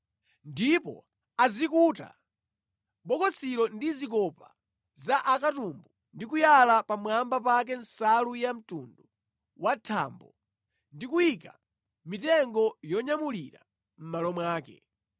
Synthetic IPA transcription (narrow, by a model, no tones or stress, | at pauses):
ndipɔ̰ | azikuːta̰ | ɓɔkɔsiɾɔndizikɔpa | zaʔakatumbu | ndik̬ujalapamwambap̬ak̬ɛn̩salujam̩tundu | watʰa̰ːmbɔ | ndikujika | mitɛŋɡɔjɔɲamuliɾa̰ | m̩malɔmwaːkɛ̰